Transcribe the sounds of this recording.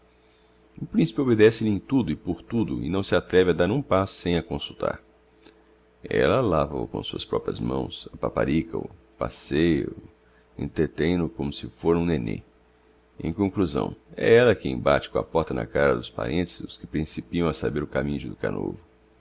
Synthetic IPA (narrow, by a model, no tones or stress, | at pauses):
ʊpɾĩsi̥pɪobed̪ɛsɪlɪẽj̃t̪ud̪ʊɪpoɾt̪ud̪ʊɪ̰nɐ̃w̃sɪat̪ɾɛvad̪aɾũpasʊ̥sẽj̃ɐkõsut̪a̰ɾ | ɛ̰lɐlavɐ̰ʊ̰kõsuɐ̰spɾɔpɾiɐ̰zmɐ̰̃w̃sɐpapa̰ɾikɐ̰ʊ | pa̰sejʊ | ḛ̃nt̪ɾet̪ẽj̃nʊkõmʊsɪfoɾ̃ũnenḛ | ḛ̃j̃kõkluzɐ̰̃w̃ɛ̰ɛlɐkẽj̃bat͡ʃɪ̥kõɐ̰pɔɾt̪ɐnɐ̰kaɾɐd̪ʊspa̰ɾʔẽnt̪ɪ̥zʊskɪpɾĩsipiɐ̃w̃ɐsabeɾʊkamĩɲʊd͡ʒɪd̪ʊka̰no̰vʊ